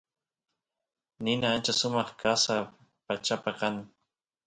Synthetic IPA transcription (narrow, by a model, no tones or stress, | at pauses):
nɪnaant͡ʃasʊmɑχkasa | pat͡ʃapakaŋ